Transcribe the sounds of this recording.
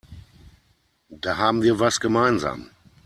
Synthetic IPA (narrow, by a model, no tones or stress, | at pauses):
d̥aːɦaːbm̩viːɐvasɡ̥əmaɪnza̰ːm